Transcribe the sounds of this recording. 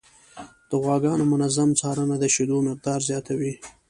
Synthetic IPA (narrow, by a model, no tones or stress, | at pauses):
d̪̥əɣwɑɡɑnomʊnazamt͡sɑɾənad̪əʃɪd̪omɪq̚d̪ɑːɾzjɑt̪awi